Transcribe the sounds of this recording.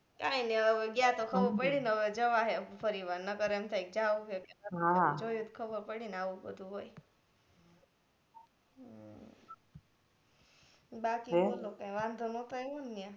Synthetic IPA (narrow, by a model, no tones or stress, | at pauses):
kainiəəʋeɡjat̪okʰəʋupəɽinəʋed͡ʒəʋaɦepʰəɾiʋaɾnəkəɾemt̪ʰajk̚d͡ʒaʋuɦokeəɦãd͡ʒojut̪kʰəbəɾpəɽinaʋũbə̰d̪ʱuɦoj | bakibolokãjʋãnd̪ʱonot̪ajonːjã